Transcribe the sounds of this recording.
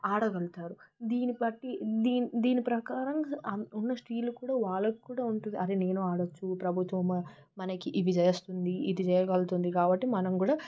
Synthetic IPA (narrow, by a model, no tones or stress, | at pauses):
aːɽɐɡɐlt̪aːɾud̪iːnipɐʈːid̪iːnd̪iːnipɾɐkaːɾɐmɐunːɐsʈiːlukuːɽaːʋaːɭːɐki̥kuːɽaːuɳʈund̪iɐɾene̞ːnuːaːɽɐt͡ʃːupɾɐbʱut̪ʋɐm | mɐnɐkiʔiʋid͡ʒɛjɐst̪und̪iid̪id͡ʒɛjɐɡɐlt̪und̪ikaːbɐʈːimɐnɐmkuːɽaː